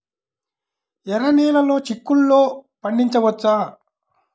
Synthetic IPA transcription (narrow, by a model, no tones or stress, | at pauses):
ɛɾɐniːlɐlo̞ːt͡ʃikːulːoːpɐɳɖiɲt͡ʃɐʋɐt͡ʃːaː